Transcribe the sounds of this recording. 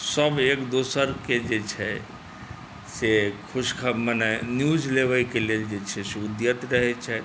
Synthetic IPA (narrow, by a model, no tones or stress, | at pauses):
səbekd̪osəɾked͡ʒet͡ʃʰɛ | sekʰuskʰəmənɛnjud͡ʒleʋəikeleld͡ʒet͡ʃʰɛseud̪jət̪ɾəɦɛt͡ʃʰɛ